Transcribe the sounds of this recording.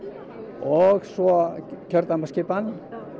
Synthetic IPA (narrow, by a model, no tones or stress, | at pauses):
ɔɣsɔcʰœɾt̪ampascɪpan